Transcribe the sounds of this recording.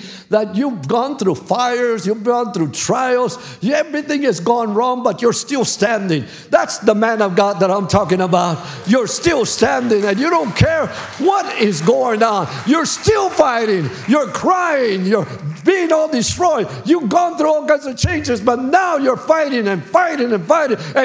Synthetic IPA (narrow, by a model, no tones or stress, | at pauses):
ðət͡ʃuvɡɔ̃nθɹufaɪə˞zjuvɡɔ̃nθɹutʰɹ̥aɪl̩ˠz̥ | ɛvɹiθɪ̃ŋɨzɡɔ̃nɹɔ̃ŋbʌt͡ʃə˞stɪlˠstæ̃ndɪ̃ŋ | ðætsðəmæ̃nʌvɡɑd̪̚ðəɾãɪ̃mtʰɔkɪ̃ŋəbaʊt̚ | jə˞stɪlˠstæ̃ndɪ̃ŋɨ̃njɨɾõʊ̃nkʰɛɹ | wʌɾɪzɡoʊɪ̃ŋə̃njə˞stɪlˠfaɪɾɪ̃ŋ | jə˞kʰɹ̥aɪɪ̃ŋjə˞biɪ̃ŋɔlˠdɨstɹ̥ɔɪ | jɨvɡɔ̃nθɹuɔlˠkãɪ̃nzʌv̥t͡ʃʰẽɪ̃nd͡ʒɨzbʌtⁿnaʊjə˞faɪɾɪ̃ŋɨ̃nfaɪɾɪ̃ŋɨ̃nfaɪɾɪ̃ŋɨ̃